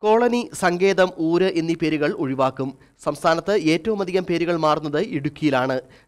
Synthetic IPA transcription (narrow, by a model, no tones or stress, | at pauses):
ko̞ːɭɐnisɐŋɡe̞ːðɐmuːɾɨʔinːipe̞ːɾuɣɐɭuɻiʋaːkːum | sɐmst̪ʰaːnɐt̪ːɨe̞ːtːɐʋumɐd̪ʱiɣɐmpe̞ːɾuɣɐɭmaːrunːɐðɨiɽukʲːijilaːɳɨ